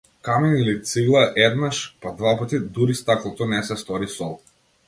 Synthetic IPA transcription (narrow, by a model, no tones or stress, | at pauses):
kaminilit̪siɡlˠaʔɛd̪naʃpad̪vapat̪id̪uɾist̪aklˠɔt̪ɔnɛsɛst̪ɔɾisɔlˠ